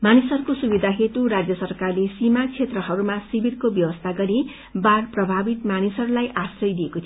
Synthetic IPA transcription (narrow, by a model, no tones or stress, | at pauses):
manisʌɾukosubid̪ʱaɦet̪uɾad͡zjʌsʌrkarlesimakt͡sʰet̪rʌɦʌɾumasibirkobjʌbʌst̪ʰaɡʌɾi | baɽprʌbʱabit̪manisʌɾulajʔasrʌjd̪ijekot̪ʰ